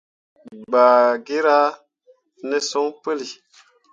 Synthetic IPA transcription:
baː˨ɡe˦ɾa˦ | nɛ˦sɔ˦ŋpə˦li˨

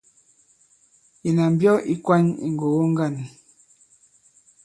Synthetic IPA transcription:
i˨na˨m˨bjɔ˦ʔi˦kwa˦ɲḭ˨ŋ˨ɡo˨wo˦ŋ˦ɡa˦˨ni˨

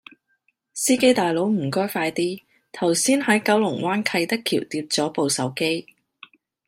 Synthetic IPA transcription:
siː˥ke˥jt̪aː˨jlo˨˥wm̩˨˩kɔː˥jfaː˧jt̪iː˥ | t̪ʰɐ˨˩wsiː˥nhɐ˨˥jkɐ˨˥wlʊ˨˩ŋwʔaː˥nkʰɐ˧jt̪ɐ˥kʰːiː˨˩wt̪iː˧p̚t͡sɔː˨˥po˨wsɐ˨˥wke˥j

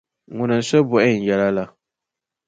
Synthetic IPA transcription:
ŋʊ˨nɨ˨n̩˨sɛ˦bʊ˨ʔɛ˦n̩˨jɛ˦la˦la˦

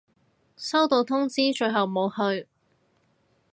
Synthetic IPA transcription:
sɐ˥wt̪o˧wt̪ʰʊ˥ŋt͡siː˥t͡ʃɵ˧ɥɦɐ˨wmo˨˧whɵ˧ɥ

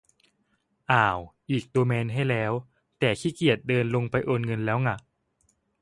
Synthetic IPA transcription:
ʔaː˨˩wʔiː˨˩k̚d̪oː˧mɛː˧nɦa˥˩jlɛː˦˥w | t̪ɛː˨˩kʰiː˥˩ki˨˩ət̪̚dɤː˧nlo˧ŋpa˧jʔoː˧nŋɤ˧nlɛː˦˥wŋa˧˩ʔ

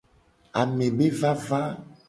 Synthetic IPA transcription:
a˨mẽ˨be˦va˦va˦

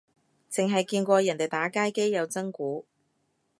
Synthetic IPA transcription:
t͡sɪ˨ŋɦɐ˨jkiː˧nkʷɔː˧jɐ˨˩nt̪e˨˩jt̪aː˨˥kaː˥jke˥jːɐ˨˧wt͡sɐ˥ŋkuː˨˥

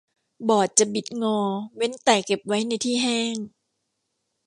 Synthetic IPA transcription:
bɔː˨˩t̪̚t͡ɕa˨˩bi˨˩t̪̚ŋɔː˧we˦˥nt̪aː˨˩jke˨˩p̚wa˦˥jna˧jt̪ʰiː˥˩ɦɛː˥˩ŋ

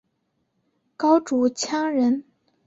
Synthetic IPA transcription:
kɑ˥ʊʈ͡ʂu˧˥t͡ɕʰjɑ˥ŋɻə˧˥n

